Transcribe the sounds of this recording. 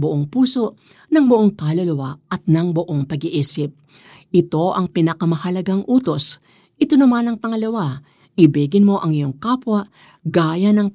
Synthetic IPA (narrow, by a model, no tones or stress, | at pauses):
bʊʔoŋpuːso̞ʔ | nɐŋbʊʔo̞ŋkalɐlɐwaɐt̪̚nɐŋboʔo̞ŋpɐɡɪʔiːsɪp̚ | ʔɪt̪o̞ʔɐŋpɪnɐkɐmɐhɐlɐɡaŋʔuːt̪o̞s | ʔɪt̪onɐmanɐŋpɐŋɐlɐwa | ʔɪbiːɡɪnmo̞ʔɐŋɪjo̞ŋkaːpwɐʔ | ɡaːjɐnɐŋ